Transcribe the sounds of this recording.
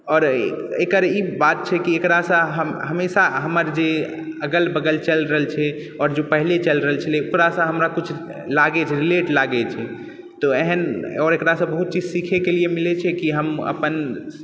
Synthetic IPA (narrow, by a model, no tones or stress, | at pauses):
ɔːɾekəɾibat̪̚t͡ʃʰɛkiekɾasə̃ɦəmɦəmesaɦəməɾd͡ʒe | əɡəlbəɡəlt͡ʃəlɾəɦlt͡ʃʰɛ | ɔːɾd͡ʒopəɦlet͡ʃəlɾəɦəlt͡ʃʰəleukɾasə̃ɦəmɾakut͡ʃʰ | laɡɛt͡ʃʰɛɾileʈlaɡɛt͡ʃʰɛ | t̪oeɦənɔːɾekɾasə̃bəɦut̪̚t͡ʃid͡ʒsikʰekeliemilɛt͡ʃʰɛkiɦəmə̰pən